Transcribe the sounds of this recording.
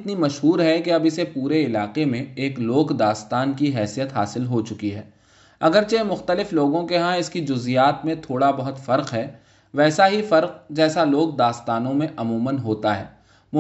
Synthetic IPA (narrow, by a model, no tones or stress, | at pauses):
t̪nimɐʃɦuːɾɦɛkeɐbɪsepuːɾeɪlaːqemẽeːkloːɡd̪aːst̪aːnkiɦɛːsijət̪ɦa̰ːsɪlɦot͡ʃʊkiɦɛː | ɐɡəɾt͡ʃemʊxt̪əlɪfloːɡõkeɦãɪskid͡ʒʊzijaːt̪mẽt̪ʰoːɽabɐɦʊt̪fɐɾqɦɛː | ʋɛːsaɦifɐɾq̚d͡ʒɛːsaloːɡ̚d̪aːst̪aːnõmẽʔɐmuːmənɦoːt̪aɦɛ̰ː | mʊ